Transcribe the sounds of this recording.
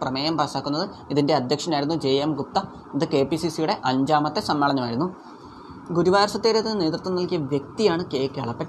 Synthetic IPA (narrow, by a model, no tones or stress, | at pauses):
prɐmeːjɐmpaːsaːkːunːɐðɨ | iðinde̞ɐd̪ʱjɐkʂɐnaːjiɾunːud͡ʑe̞ːemɡup̚t̪ɐ | iðɨke̞ːpːisisijuɽe̞ʔɐɲd͡ʑaːmɐt̪ːe̞sɐmːɐɭɐɲːɐmaːjiɾunːu | ɡuɾuʋaːɾɐsɐt̪ːeːɾɐt̪ːinːɨne̞ːt̪rt̪ːumnɐlkijɐʋjek̚t̪ijaːɳɨke̞ːkeɭɐpːeʈː